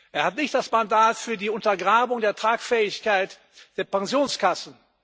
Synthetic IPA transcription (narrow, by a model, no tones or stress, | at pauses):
ʔeːɐhatnɪçtd̥asmandaːtfyːɐdiːʊntɐɡʁaːbʊŋdeːɐtʁ̥aːkfɛːɪçkaɪt | d̥eːɐpɛŋzjoːnskasn̩